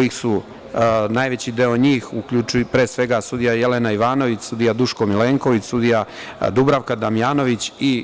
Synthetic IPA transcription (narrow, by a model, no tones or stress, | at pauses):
jixsu | najʋe̞t͡ɕid̪eo̞ɲiːxukʎut͡ʃpɾe̞ːsʋe̞ɡasud̪ijajelenaiʋaːno̞ʋit͡ɕsud̪ijad̪uʃkomileːŋko̞ʋit͡ɕsud̪ija | d̪ubɾaʋkad̪amijaːno̞ʋit͡ɕi